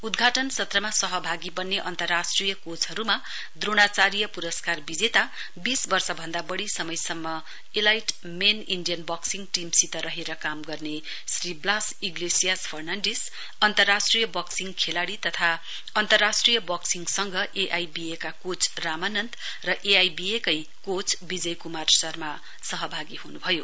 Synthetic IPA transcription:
ud̪ɡʱaʈʌnsʌt̪rʌmasʌɦʌbʱaɡibʌnːeʔʌnt̪ʌrːasʈrijʌkot͡sɦʌɾuma | d̪roɽ̃at͡saɾijʌpuɾʌskarbid͡zet̪a | bisbʌrsʌbʱʌnd̪abʌɽisʌmʌjsʌmːʌ | elajʈ | meninɖijʌnbʌksiŋɡʈimsit̪ʌɾʌɦeɾʌkamɡʌrne | sriblasiɡlesijaspʰʌrnanɖes | ʌnt̪ʌrːasʈrijʌbʌksiŋkʰelaɽit̪ʌt̪ʰa | ʌnt̪ʌrːasʈrijʌbʌksiŋsʌŋɡʱʌʔeʔajbiekakot͡sramanʌnt̪ | rʌʔeajbiekʌj | kot͡sbid͡zʌjkumarsʌrma | sʌɦʌbʱaɡiɦunubʱʌjo̰

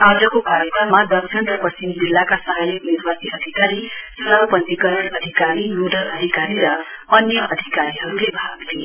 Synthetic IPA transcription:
ad͡zʌkokaɾjəkrʌmmːad̪ʌksʰʌnt̪rʌpʌt͡simd͡zilːakasʌɦajʌkniɾbasiʔʌd̪ʱikaɾisʌbpʌnt̪ikʌɾinʌd̪ʱikaɾinuɖʌlʌd̪ʱikaɾiɾʌʌnjʌʔʌd̪ʱikaɾiɦʌɾulebʱaɡt̪ʰi

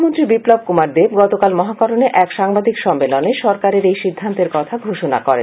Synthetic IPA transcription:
mont̪ɾibiplob̚kumaɾd̪ebɡɔt̪okalmɔɦakɔɾoneʔɛkʃaŋbad̪ʱikʃɔmːeloneʃɔɾkaɾeɾejʃid̪ʱːant̪eɾkɔt̪ʰaɡʱoʃona̰kɔɾḛ

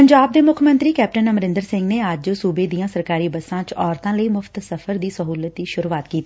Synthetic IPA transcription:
pəɲd͡ʒaːb̚d̪eːmʊkʰmə̃nt̪ɾiːkɛːp̚ʈənəmɾɪ̃nd̪əɾsɪ̃ŋɡneːad͡ʒsuːbeːd̪ijãːsəɾkaːɾiːbəsãːt͡ʃɔːɾt̪ãːləiːmʊft̪səfʰəɾd̪iːsəɦuːlət̪iːʃʊɾuːaːt̪kiːt̪i̥ː

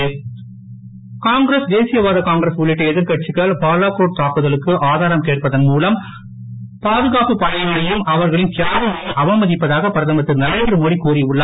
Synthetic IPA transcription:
kaːŋɡɾɐsd̪eːsɪjɐʋaːðɐkaːŋɡɾɐsʊɭːɪʈːɐɛðɪɾkɐʈ̚t͡ʃɪkːɐɭpaːlaːkoːʈ̚t̪aːkɯðɐɭɯkːɯʔaːðaːɾɐmkeːʈ̚pɐðɐnmuːlɐm | paːðɯɣaːpɯpɐɽɐŋɐlɐjɯmɐʋɐɾɣɐɭɪnk̪ɪjaːʋɐmaɐʔɐʋɐmɐðɪpːɐðaːɣɐpɐɾɐðɐmɐt̪ːɯnɐɾɐɪd̪rɯmɔɽikuːɾiʊɭːɐ

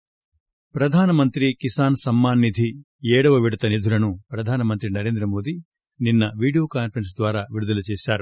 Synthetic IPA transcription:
pɾɐd̪ʱaːnɐmɐnt̪ɾikisaːnsɐmːaːnːid̪ʱi | ɛːɽɐʋɐʋiɽɐt̪ɐneːd̪ʱulɐnupɾɐd̪ʱaːnɐmɐnt̪ɾinɐɾe̞ːnd̪ɾɐmo̞ːd̪i | ninːɐʋiːɽijoːkaːnpʰɐɾɐns̬d̪ʋaːɾaːʋiɾud̪ɐlɐt͡ʃeːʃaːɾu

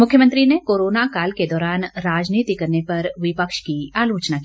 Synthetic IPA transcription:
mʊkʰjəmə̃nt̪ɾinekoːɾoːnakaːlked̪ɔːɾaːnɾaːd͡ʒniːt̪ikɐɾnepɐɾʋɪpəkʃkiaːloːt͡ʃnakiː

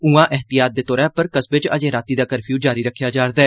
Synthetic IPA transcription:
uːãːʔɪɦt̪ɪjaːt̪̚d̪eːt̪ɔːɾaːpəɾkəsbɪt͡ʃə̰d͡ʒẽːɾaːt̪iːd̪aːkəɾpʰjuːd͡ʒaːɾiːɾəkʰːjaːd͡ʒaːɾd̪aː

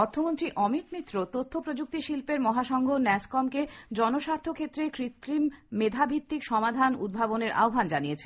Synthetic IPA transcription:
ɔɾt̪ʰomont̪ɾiʔɔmit̪mit̪ːɾot̪ot̪ʰːopɾod͡ʑuk̚t̪iʃilpeɾmɔɦaʃɔŋɡʱonɛskɔmked͡ʑɔnoʃaɾt̪ʰːokʰet̪ːɾekɾit̪ːɾimmed̪ʱabʱit̪ːikʃɔmad̪ʱanṵd̪̚bʱaboneɾʔa̰obʱand͡ʑanijet͡ɕʰe

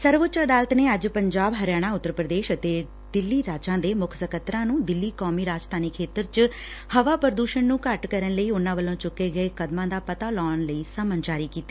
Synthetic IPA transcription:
səɾʋʊtːt͡ʃəd̪aːlət̪neːəd͡ʒpəɲd͡ʒaːbɦəɾjaːɽ̃ãːʊt̪ːəɾpɾəd̪eːʃət̪eː | d̪ɪlːiːɾaːd͡ʒãːd̪eːmʊkʰsəkʰət̪ɾãːnũːd̪ɪlːiːkɔːmiːɾaːd͡ʒt̪ʰaːniːkʰeːt̪əɾt͡ʃ | həʋaːpəɾd̪uːʃənnũːkəʈkəɾənləiːʊnãːʋəlːõːt͡ʃʊkːeːɡəeːkəd̪mãːd̪aːpət̪aːlɔːɳləiːsəmənt͡ʃaːɾiːkiːt̪ːeː

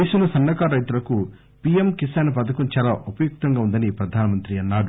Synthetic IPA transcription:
eːʃunɐsɐnːɐkaːɾɐjt̪ulɐku | piemkisɐnɐpɐd̪ɐkunt͡ʃaːlaːʔupɐjuk̚t̪ɐŋɡaːund̪ɐnipɾɐd̪ʱaːnɐmɐnt̪ɾiɐnːaːɽu

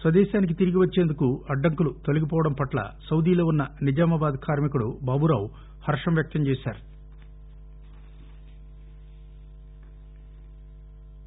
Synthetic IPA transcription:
sʋɐd̪ɛːʃaːnik̬it̪iɾiɡiʋɐt͡ʃːeːnd̪ukuɐɖːɐŋkulut̪o̞liɡipɔːʋɐɽɐmpɐʈlɐ̰sɐwd̪iːlo̞ːunːɐnid͡ʒaːmɐbaːd̪kʰaːɾmikuɽubaːbuɾaːw | hɐɾʂɐmjɐk̚t̪ɐmt͡ʃeːsa̰ːɾu

